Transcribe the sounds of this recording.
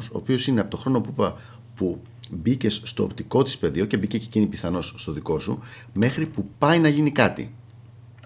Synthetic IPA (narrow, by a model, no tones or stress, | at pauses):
so̰ːpio̞sine̞ɐpot̪oxɾo̞no̞pupɐ | pu | bice̞sst̪o̞o̰pt̪iko̞t̪i̥spe̞ðioce̞bice̞cecinipiθɐno̞sːt̪o̞ðiko̞su | me̞xɾipupɐinɐʝinikɐt̪ḭ